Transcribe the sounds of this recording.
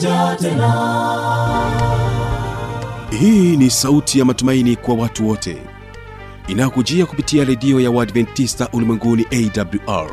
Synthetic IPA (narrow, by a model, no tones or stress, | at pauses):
hiːnisautʰijamatumainikwawatuwɔtʰɛ̰ | inajɔkud͡ʒiakupitiaɾɛɗiɔjawadvɛntistaʔulimwɛŋɡuniʔɛidabluʔa̰ɹ